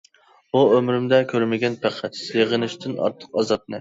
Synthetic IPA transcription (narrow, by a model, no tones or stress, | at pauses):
buømɾymd̪ɛkʲʰøɾmɪɡʲɛnpʰæqʰæt̪sjeʁənɪʃt̪ʰɪnɑ̰ɾt̪ʰːə̥qɑzɑt̪̚nɨ